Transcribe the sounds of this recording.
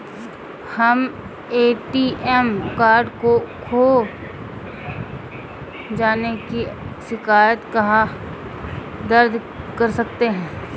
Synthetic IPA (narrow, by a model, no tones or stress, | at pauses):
hɐm | eːʈiːʔɛmkaːɾɖkokʰoː | d͡ʒaːnekiʃɪkaːjət̪kɐɦa | d̪əɾd̪ʱ | kɐɾsɐkt̪eɦɛ̃ː